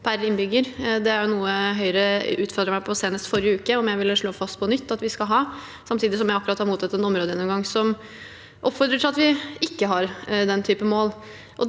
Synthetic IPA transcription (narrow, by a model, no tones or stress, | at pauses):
pʰæɾɪnːbʏɡəɾd̪ɛæɾjʊnuːəɦœʏɾəʉːt̪fɔɾd̪ɾəmæɪpʰɔseːnəst̪fɔɾɪəʉːkəɔmjæɪʋɪlʂɭoːfɑst̪̚pʰɔnʏt̪ːɑt̪ʋɪskɑlɦɑː | sɑmt̪ʰiːd̪ɪsɔmjæɪɑkːʉɾɑt̪hɑɾmuːt̪ʰɑt̪ːɛnɔmɾoːd̪əjɛnːʊmɡɑŋsɔm | ʔɔpːfɔɾd̪ɾət̪ʰɪlɑt̪ʋɪɪkːəɦɑɾd̪ɛnt̪ʰyːpəmoːl | ʔɔ